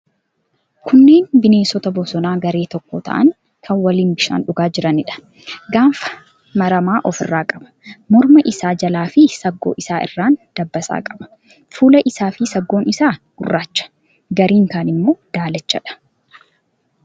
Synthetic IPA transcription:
kʰʊnːe̞ːnbɪne̞ːsɔt̪ɐbɔsɔnaːɡɐɾe̞ːt̪ɔkːɔt̪ʰɐ̰ʔɐŋ | kʰɐnwɐliːnbɪʃa̰ːnᶑʊɡaːd͡ʒɪɾɐnɪᶑɐ̥ | ɡaːfɐ̥ | mɐɾɐmaːʔɔfɪrːaːkʼɐbɐ̥mɔɾmɐʔɪsaːd͡ʒɐlaːfɪsɐɡːo̰ːʔɪsaːʔɪ̰rːaːnd̪̥ɐbːɐsa̰ːkʼɐbɐ̥ | fuːlɐʔɪsaːfɪsɐɡːo̞ːnɪsaːɡ̥ʊrːaːt͡ʃːɐ̥ | ɡɐɾiːŋkaːnɪmːo̞ːd̪̥aːlɛt͡ʃːɐᶑɐ̥

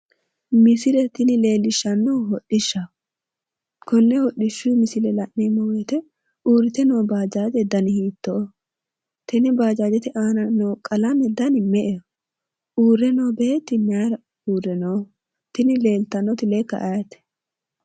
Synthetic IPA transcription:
mɪsɪlɛt̪ɪnɪle̞ːlːɪʃːɐnːɔhɔɗɪʃːɐ | kɔnːɛhɔɗɪʃːumɪsɪlɛlɐʔneːmɔwet̪ɛ | ʔuːɾɪt̪ɛnoːbaːd͡ʒaːd͡ʒɛd̪ɐnɪhiːt̪ːɔʔɔ | t̪ɪnɪbaːd͡ʒaːd͡ʒɛt̪ɪʔaːnɐnoːkʼɐlɐnɛd̪ɐnɪmɛʔɛ | uːɾːɛnoːbeːt̪ːɪnaɾɐ | uːɾɛnoː | t̪ɪnɪle̞ːlt̪ɐnːɔt̪ɪlekːɐ̰ʔɐjɐt̪ɛ̥

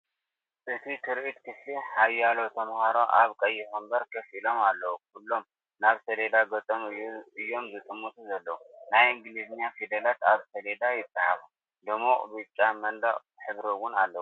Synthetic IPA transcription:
ʔɨt̪ʰit̪ʰɨɾʔit̪kʰɨfiħajːalo̞t̪ʰɐmhaɾoʔaβkʼɐjːɪxɐmbɐɾkʰɐfilo̞malːɐwukʰulːo̞m | naβsɐled̪aɡɐt͡s̪ʼomɨjːuɨjːo̞mzɨt̪ʼɨmːut̪ʰuzɐlːɐwunajɨŋɡliznjafid̪ɐlat̪aβsɐled̪ajɪt̪ʼːɨħa̰βu | d̪ɨmoʔʼbɨt͡ʃʼamɐnd̪ɐχʼ | ħɨβɾiwʊnalːɐwu

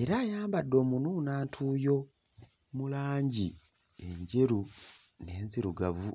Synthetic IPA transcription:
e̞ɾaːjaːmbadːo̞ːmununaːntʰuːjo̞ | mulaːɲɟi | e̞ɲɟe̞ɾu | ne̞ːnziɾuɡavu

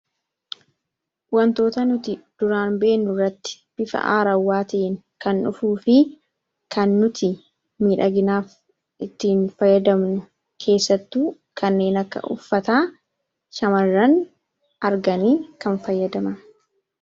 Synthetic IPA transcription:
wɐnt̪o̞ːt̪ɐnʊt̪ɪd̪̥ʊɾaːnbe̞ːnːʊrːɐt̪ːɪ̥ | b̥ɪfɐ̰ʔa̰ːɾɐwːaːt̪iŋ | kɐnᶑʊfuːfɪ | kɐnːʊt̪ɪ | miːᶑɐɡɪnaːf | ʔɪt̪ːiːnfɐjːɐd̪ɐmnʊ | kʰe̞ːsːɐt̪ːuː | kɐnːe̞ːnɐkːɐ̰ʔʊ̰fːɐt̪aː | ʃɐmɐrːɐn | ʔɐɾɡɐniːkɐnfɐjːɐd̪ɐmɐn

